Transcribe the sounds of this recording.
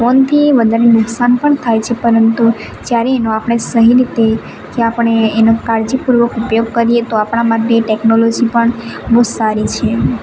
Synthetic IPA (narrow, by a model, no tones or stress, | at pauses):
fɔnt̪ʰiʋəd̪ʱaɾenʊksanpəɳt̪ʰajt͡ʃʰepəɾənt̪u | d͡ʒjaɾeːnoapɽ̃esəɦiɾit̪e | keapəɳ̃eːnokaɾd͡ʒipuɾʋəkupjoɡ̚kəɾijet̪oapɽ̃amaʈːeʈɛknolɔd͡ʒipəɳbod̪saɾit͡ʃʰe